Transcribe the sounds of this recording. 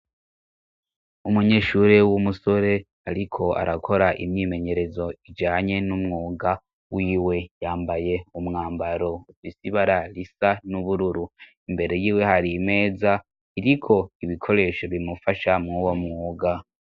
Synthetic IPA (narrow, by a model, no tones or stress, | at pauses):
umuɲe̞ːʃuɾewumuso̞ɾe̞ | aɾikʰo̞a̰ɾakʰo̞ɾaʔḭmɲiːme̞ɲe̞ɾe̞zo̞id͡ʒaːɲe̞numŋuːɡa | wiːwe̞jaːmbaje̞umŋaːmbaɾo̞ufisiβaɾaɾisanuβuɾuɾu | imbe̞ɾe̞jiːwe̞haɾime̞ːza | iɾikʰo̞iβikʰo̞ɾe̞ːʃo̞βiimufaʃamŋuwo̞mŋuːɡa